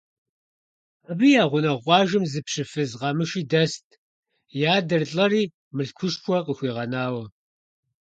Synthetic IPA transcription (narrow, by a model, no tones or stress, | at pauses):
ɐbiːjaːʁʷʊnɐʁʷɑːʒɨmzɨpɕɨfɨzʁɑmɨʃiːdɐstʼʰ | jaːdɐrɬʼɐriː | mɨɬkʷʰʊʃpʷʰɔqəxʷiːʁɐnaːwɐ